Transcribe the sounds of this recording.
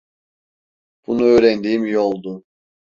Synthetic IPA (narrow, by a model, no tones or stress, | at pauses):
b̥unuøːɾɛnd̪iːmjolˠd̪ʊ